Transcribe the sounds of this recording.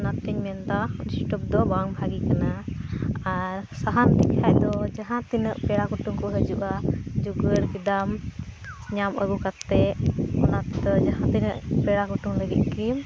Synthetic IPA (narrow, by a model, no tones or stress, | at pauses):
ɔnat̪iɲmɛnd̪anisʈɔp̚d̪ɔbaŋbʱaɡikanaː | ɾsaɦant̪ikajd̪ɔd͡ʒaɦãt̪inəʔpɛɽakuʈuŋkɔɦəd͡ʒuʔad͡ʒuɡəɽkid̪am | ɲaməɡukat̪ːɛɔnat̪ɛd̪ɔd͡ʒaɦãt̪inəʔpɛɽakuʈuŋləɡit̪̚kim